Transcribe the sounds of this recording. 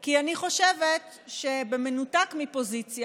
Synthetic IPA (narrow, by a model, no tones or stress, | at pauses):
kianiχo̞ʃevet | ʃebemenutakmipo̞zit͡sja